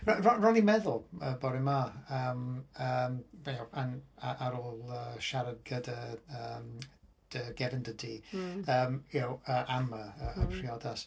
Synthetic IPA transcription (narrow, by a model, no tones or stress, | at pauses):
rrɔrɔnimɛðʊlˠəbɔɾɪmaəːməmbjaanaʔaɾoːlˠəʃaɾəɡədəəm | d̥əɡɛvəndədiːəːmɛwəʔaməəəpʰr̥iɔdas